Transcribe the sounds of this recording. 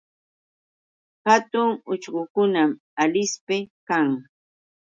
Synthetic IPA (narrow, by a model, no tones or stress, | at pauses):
hat̪ʊŋʊt͡ʃɢʊkʊnam | alɪspɪkaŋ